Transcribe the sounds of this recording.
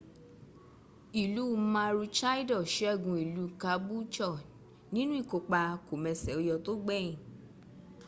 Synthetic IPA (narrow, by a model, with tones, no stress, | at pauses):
i˨lu˨˦˧mã˧ɾu˧t͡ʃa˦i˦dɔ˦˨ʃe˨˦a˦˨ɡũ˧i˨lu˨˦ka˧˦bu˦t͡ʃɔ˦˨ | nĩ˦nũ˦i˦˨ko˧k͡pa˧ko˨mɛ̃˧sɛ˨o˧jɔ˧to˦ɡ͡bɛ˦˨ĩ˨